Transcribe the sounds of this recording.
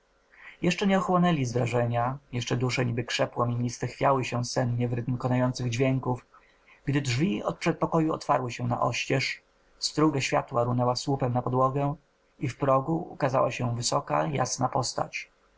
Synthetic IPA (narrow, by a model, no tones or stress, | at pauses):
jɛʂt͡ʂɛɲɛɔxwɔnɛlʲizvɾaʐɛɲajɛʂt͡ʂɛd̪uʂɛɲibɘkʂɛpwɔmʲilʲist̪ɛxfʲjawɘɕɛsɛnɲɛvɾɘt̪mkɔnajɔnt̪sɘɣd͡ʑvʲjɛŋkuf | ɡd̪ɘdʐvʲiɔ̰t̪̚pʂɛt̪̚pɔkɔjuɔ̰t̪faɾwɘɕɛna̰ʔɔ̰ɕt͡ɕɛʂ | st̪ɾuɡɛɕfʲjat̪waɾunɛwaswupɛmnapɔd̪wɔɡɛ | ifpɾɔɡuṵkaza̰wa̰ɕɛvɘsɔka̰ja̰snapɔst̪a̰t͡ɕ